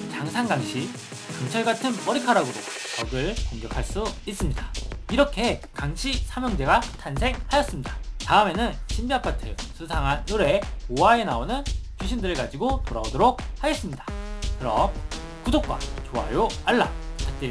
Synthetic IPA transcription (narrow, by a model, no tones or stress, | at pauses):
t͡ɕaŋsʰaŋɡaŋɕʰi | kaŋt͡ɕʰʌɭɡatʰɯnpʌɾikʰaɾaɡɯɾot͡ɕʌɡɯɭkoŋɡjʌkʰaɭs͈uis͈ɯmɲidḁiɾʌkʰe̞kaŋɕʰisʰamjʌŋd͡ʑe̞ɡatʰansʰe̞ŋhajʌs͈ɯmɲidataɯme̞nɯnɕʰimbiapʰatʰɯsʰɯsʰaŋɦanːuɾe̞koae̞naonɯnt͡ɕʰuɕʰindɯɾɯɭkad͡ʑiɡotoɾaodoɾok̚haɡes͈ɯmɲidḁkɯɾʌm | kudok̚k͈a̰t͡ɕoɦa̰joaɭːa̰t͡ɕat͈e